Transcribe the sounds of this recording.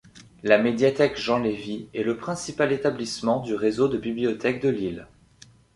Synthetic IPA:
lamed̪jat̪ɛkʒɑ̃leviɛləpχɛ̃sipalet̪ablismɑ̃d̪yʁezod̪əbiblijɔt̪ɛk̚d̪əlil

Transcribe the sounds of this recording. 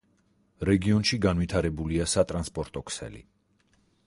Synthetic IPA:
ɾɛɡiɔnʃiɡanvit̪ʰaɾɛbuliasat̪ʼɾanspʼɔɾt̪ʼɔkʰsɛ̰lḭ

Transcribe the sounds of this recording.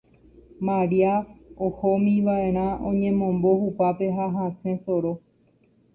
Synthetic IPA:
mãɾiaohomĩʋaʔe̞ɾ̃ãõɲẽ̞mõ̞mbo̞hupape̞ɦaɦasẽ̞soɾo

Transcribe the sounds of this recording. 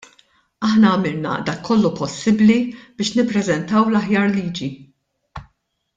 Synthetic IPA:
ɐħnɐːmɪlnɐ̰d̪ɐkʰːɔlːupɔsːɪblib̥ɪːʃnɪpːɾɛzɛnt̪ɐwlɐħjɐːɾliːd͡ʒi

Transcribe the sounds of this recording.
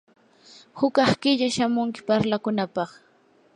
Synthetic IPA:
hʊkɑχkɪʎaʃamʊŋkɪ̥paɾlakʊnapɑχ

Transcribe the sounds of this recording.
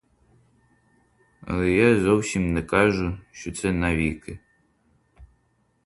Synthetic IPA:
ɐ̰lˠɛjazɔwsʲimnɛkɑʒʊʃt͡ʃɔt̪sɛnɐʋʲikɪ

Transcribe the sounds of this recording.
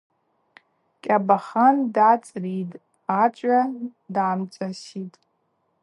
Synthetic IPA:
kʲʼabaχandat͡sʼritʼ | at͡ʃʷʼadaːmt͡ʃʷʼasitʼ

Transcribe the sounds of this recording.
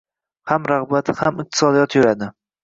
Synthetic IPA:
hamɾaʁbat̪hamɪq̚t̪ʰɪ̥sɒd̪ijɒt̪ʰjʊɾad̪ɪ

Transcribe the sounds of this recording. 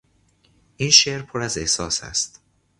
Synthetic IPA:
ʔiːnʃeʔɾpʰoɾæzehsɒːsæ̰st̪

